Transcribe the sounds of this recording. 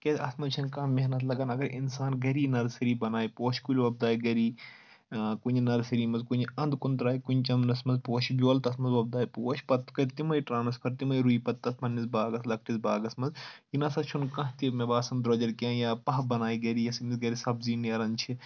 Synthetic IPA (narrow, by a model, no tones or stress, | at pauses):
ket̪ʰʲɐ̰smɐzt͡ʃʰɐnkãːmeɦnɐt̪ʰlɐɡɐːnɐɡɐɾinsaːnɡɐɾiːnɐɾsɐɾiːbɐnaːipoːʃkulʲʋɐb̚d̪aːjiɡɐɾiː | kuninɐɾsɐɾiːmɐzkunɐ̃nd̪kunt̪ɾaːjikunt͡ʃɐmnɐsmɐnzpoːʃbjoːlt̪ɐsmɐnzʋɐb̚d̪aːipoːʃpɐt̪ːkɐɾt̪imɐjʈɾaːnɐspʰɐɾt̪imɐjɾuipɐt̪ːɐsmʰɐnːisbaːɡɐslɐk̚ʰʈisbaːɡɐsmɐzjinɐsɐt͡ʃʰunkɐ̃ɦt̪imebaːsɐmd̪ɾɐd͡ʒɐɾkʲãːjaːpɐɦbɐnaːiɡɐɾiːjɐsmisɡɐɾisɐbziːniɐɾɐnt͡ʃʰi